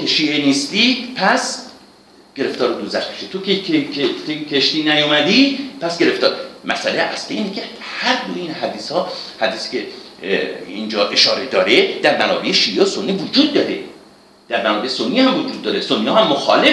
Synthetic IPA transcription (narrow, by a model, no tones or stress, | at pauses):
eʃiːʔeniːst̪ipʰæs | ɡ̥e̞ɾe̞ft̪ɒːɾod̪uzæxkʰe̥ʃet̪ʰokʰeeekʰeʃt̪iːnæjomæd̪ipʰæsɡe̞ɾe̞ft̪ɒːɾmʔæsʔæleæ̰sliiːnkʰehæɾd̪oinhæd̪iːshɒːhæd̪iːsi̥cʰe | iːnd͡ʒɒːʔe̞ʃɒːɾe̞d̪ɒːɾed̪̥æɾmænɒ̰ːbeʔeʃiːʔeosonːivod͡ʒuːd̪̚ːɒːɾe̞ | d̪̥æɾmænɒːbesonːiːhæmvod͡ʒuːd̪ːɒːɾesonːiːɒːhæmːoxɒ̰ːle